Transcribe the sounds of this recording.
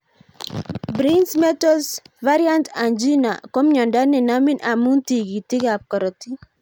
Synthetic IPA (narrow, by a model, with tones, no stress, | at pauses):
bɾi˦nsmɛ˦tɔ˦lsva˦ɾia˦nta˨nd͡ʒi˦na˨kɔ˦mɲɔ˨nda˦nɛ˨na˦mɪ˦nʔa˨mu˦nti˨ki˨tɪ˦ka˨p̚kɔ˨ɾɔ˨ti˦